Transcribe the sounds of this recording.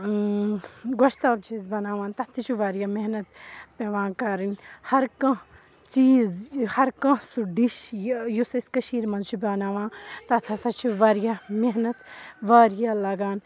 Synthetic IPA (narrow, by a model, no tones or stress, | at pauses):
ɡoʃt̪aːbt͡ʃʰizbɐnaːʋaːnt̪ɐt̪ʰit͡ʃʰuʋaːɾjamenɐt̪peʋãːkɐɾinhɐɾkɐ̃ | t͡ʃiːzhɐɾkɐ̃suɖiʃjusɐskɐʃiːɾmɐnzt͡ʃʰibʲaːnaːʋãːnt̪ɐt̪ʰɐsɐt͡ʃʰiʋaɾjameɦnɐt̪ʋaːɾjalɐɡaːn